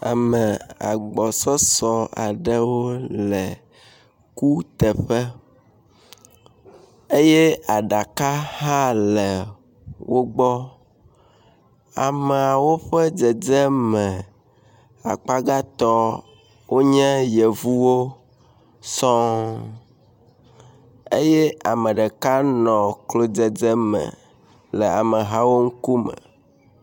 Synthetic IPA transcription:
a̰˨mɛ̃˨a̰˨ɡ͡bɔ˨sɔ˦sɔ˦a̰˨ɖɛ˦wo˦lɛ˨ | ku˦t̪ɛ˨ɸɛ˦ | e˦jɛ˦a˨ɖa˨ka˦hã˦lɛ˨ | wo˦ɡ͡bɔ˦ | a̰˨mɛ˨a˨wo˦ɸɛ˦d͡zɛ˨d͡zɛ˦mɛ˨ | a̰˨k͡pa˦ɡa˦t̪ɔ˦ | wo˦ɲɛ̃˦je˨vu˦wo˦ | sɔ̃˦ | e˦jɛ˦a˨mə̃˨ɖə˨ka˦nɔ̃˨klo˨d͡ze˦˨d͡ze˦mə̰̃˨ | lə˨a˨mə˨ɦa˦wo˦ŋ̩˦ku˦mə̰̃˨

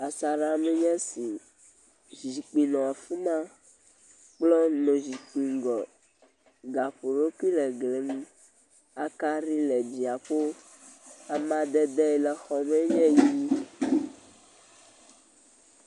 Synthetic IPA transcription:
a˨sa˨ɾa˨mɛ˦ɲɛ̃˦si˨ | zi˨k͡pi˨nɔ̃˨a˨fu˦mã˦ | k͡plɔ˦nɔ̃˨zi˨k͡pi˨ŋɡɔ˨ | ɡa˨ɸo˨ɾo˦ki˦lɛ˨ɡlɛ˨mĩ˦ | a˨ka˦ɾi˦lɛ˨d͡ʒi˨a˨ɸo˦ | a˨mã˨d̪ɛ˦d̪ɛ˦˨lɛ˨xɔ˨mɛ˦ɲɛ̃˦ji˦

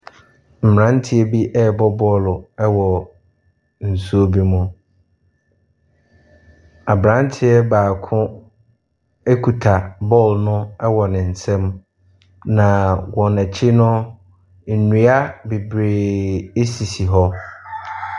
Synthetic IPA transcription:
m̩˨m˨ã˨˦n˦tʰɪ˦ɛ˦bi˦ʔɛ˦˨bɔ˦bɔ˦lʊ˨ɛ˦wɔ˨ | n̩˨su˦o˦bi˦mʊ̃˦ | a˨bɾã˦n˦tʰɪ˦ɛ˦baː˨kʰʊ̃˦ | e˦kʰu˨tʰa˨bɔ˦˨lnʊ̃˦ɛ˦wɔ˨nɪ̃˨n̩˨sɛ̃˦m | nã˨wɔ̃˨næ˨t͡ɕʰi˦nʊ̃˦˨ | nũ˨˦a˦be˨bɾeː˨e˦si˨si˨ɦɔ˦

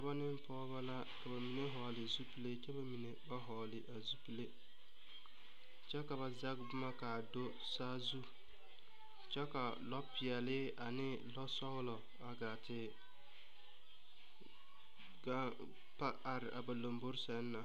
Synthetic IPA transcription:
ka˨˦ba˦nɪ˦mpɔː˦ba˦la˦ | ka˨ba˨mi˨ne˦ɦɔ˨lɪ˨zu˦pi˦le˦t͡ʃɛ˦ba˨mi˨ne˨ba˦ɦɔ˨lɪ˨ʔa˨zu˦pi˦le˦ | t͡ʃɛ˦ka˨βa˨za˦ɡbʊ˦ma˦ka˨do˦ | saː˦zu˦ | t͡ʃɛ˦ka˨ | lɔ˦pɪ˨ɛ˨lɪ˦ | a˨nɪ˦ | lɔ˦sɔ˦ɣlɔ˨ | a˨ɡa˨tɪ˨ | ɡa˦ | pa˦a˨ɾɪ˨ʔa˨ba˨lo˨mbo˦ɾsɛ˦nː˦a˨

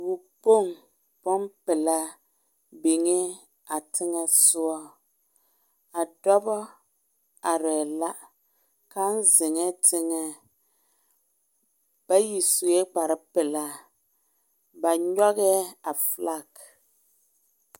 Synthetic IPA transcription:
bu˨k͡po˦˨ŋ | pɔ˦mpɪ˨la˦ | be˨ŋe˦ | a˨tʰɪ˦ŋɛ˦sʊ˦ɔ˦ | a˨dɔ˦bɔ˦ | a˨ɾɛ˨la˦ | ka˦n˦zɪ˨ŋɛ˦tʰɪ˦ŋɛ˦ | b̥a˦ji˨su˨ɛ˦k͡pa˨ɾɪ˦pɪ˨la˦ | ba˨ɲɔ˦ɣɛ˦a˨fla˦˨k

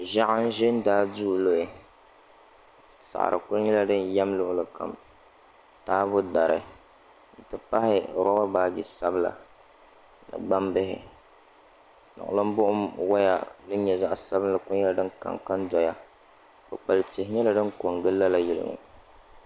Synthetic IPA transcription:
ʒa˦ʔa˦n˦ʒɪ˦n˦daː˦duː˦˨lo˦ɪ˨ | sa̰˨ʔa̰˨ɾʔɨ̰˨kʊ˦ɾɲɛ˦la˨dɨ˦nja˦mlʊ˦ʔʊ˦lɨ˨ka̰˨m | taː˦bʊ˦da˨ɾɨ̰˨ | n̩˨tɨ˦pa˦hɪ˦˨ɾa˦ba˦baː˨ɡi˨sa˦bɨ˦la̰˨ | nɨ̰˨ɡ͡ba˦mbɪ˦ɦɪ˨ | nʊ̰˨ʔʊ̰˨lɨ˦m˦bʊ˦ʔʊ˦mwa˦ja̰˨dɨ˦n˦ɲɛ˨za˦ʔsa˦bɨ˦n˦lɨ˨kʊ˦ɲɛ˦la˨dɨ˦nka̰˨ŋka˦ndɔ˨ja˨ | ba˨k͡pa˨lɨ˨te˨hɪ˨ɲɛ˦la˨dɨ˦nko˨ŋɡɨ˦lːa˦la˨jɪ˦lɨ̰˦ŋʊ̰˨

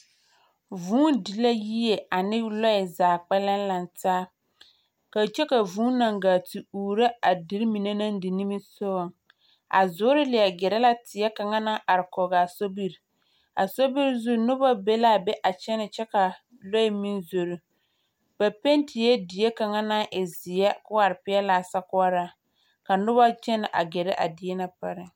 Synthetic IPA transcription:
vuː˦ndi˨la˦ji˦je˨a˨nɪ˦lɔ˦ɪ˨zaː˨k͡pɛ˦la˦n˦la˨ntaː˦ | ka˨t͡ʃɛ˦ka˨vuː˨˦na˨ŋɡaː˨ti˨uː˨ɾa˦a˨di˨˦ɾi˦mi˨ne˦na˦n˦dɪ˨ni˦mi˦so˦ɣɔ˨ŋ | a̰˨zʊ˨˦ɾɪ˦lɪ˨ɛ˨ɡɛ˨ɾɛ˦la˦tɪ˨ɛ˦ka˨ŋa˦na˦ʔa˨ɾɪ˨kɔ˨ɡa˨so˦bi˦ɾ | a̰˨so˦bi˦ɾzu˦nʊ˦ba˦be˦la˦˨bɛ˦ʔa˨t͡ʃɛ˦nɪ˨t͡ʃɛ˦ka˨ | lo˦ɪ˦mi˦nzo˨ɾu˦ | b̥a˨pe˦ntʰɪ˨jɛ˦dɪ˨˦e˦ka˨ŋa˦na˦ʔɪ˨zɪ˨jɛ˦kʊ˦a˨ɾɪ˨pɪ˦ɛ˦la˨sa˦kʊ˦a˦ɾa˦ | ka˨nʊ˦ba˦t͡ʃɛ˦nɪ˨ʔa̰˨ɡɛ˨ɾɛ˦ʔa̰˨dɪ˨˦ɛ˦na˦pa˦ɾɪ˨

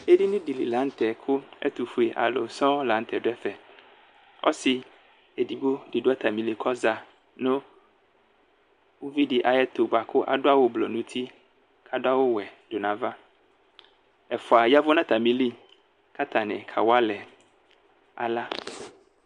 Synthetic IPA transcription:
e˦di˦nĩ˦di˨lḭ˨lã˨˦n̩˦t̪ɛ˨kʰʊ˦ɛ̰˦t̪u˨fu˦e˨ʔa̰˨lo˨sɔ̃˦lã˨n˦t̪ʰɛ˨ɖʊ˦ɛ˦fɛ˨ | ɔ̰˦si˨ | e˨di˨bo˦ɖi˨ɖʊ˦a˦t̪ʰa˨mĩ˨li˨kʰɔ˦za˨ | nʊ̃˦ | wu˦vi˦ɖi˨ʔa˨jɛ˦t̪o˨ba˨kʰʊ˦ʔa̰˨ɖʊ˦a˦wo˨blɔ̰˨nũ˦t̪ʰi˦ | kʰa˨dʊ˦a˦wo˦wɛ˨ɖʊ˨nã˨va˦ | ɛ˨fʊ˨a˨ja˦vʊ˦nã˦t̪a˨mĩ˨li˦ | ka˦t̪ʰa˨nɪ̰̃˨kʰa̰˨wa˦lɛ˨ | a̰˨la˦

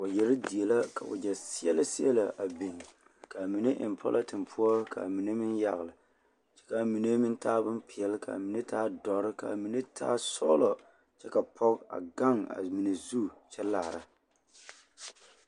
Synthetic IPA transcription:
o˨jɛ˨ɾɨ˦di˨ɛ˨la˦ka̰˨ʔʊ̰˨d͡ʒɛ˨si˦ɛ˦lɨ˦si˦ɛ˦la˨ʔa˨bi˨n˨ | ka˨mi˨nɨ˦ʔɪ̰˨mpʰɔ̰˦lʔa˦tɨ˨mpʰu˦ɔ˦ka̰˨mi˨nɨ˦mɪ˦nja˨ɣɨ˨lɨ˨ | t͡ʃɛ̥˦ka˨mi˨ne˦mɨ˦ntʰaː˦bɨ˦mpi˨ɛ˨lɨ˦ka̰˨mi˨nɨ˦tʰaː˦dɔ˨ɾɨ˦ka̰˨mi˨nɨ˦tʰa̰ː˦sɔ̰˦lɔ˨ | t͡ʃɛ˦ka˨pʰɔ˦ka̰˨ɡa˦ŋa̰˨mi˨nɨ˨zu˦˨t͡ʃɛ˦laː˨ɾa˨

